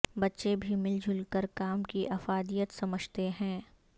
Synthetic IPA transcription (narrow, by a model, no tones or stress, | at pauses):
bɐtːʃebʱimɪld͡ʒʱʊlkəɾkaːmkiʔɐfaːd̪ijət̪sɐməd͡ʒʱt̪eɦɛ̃ː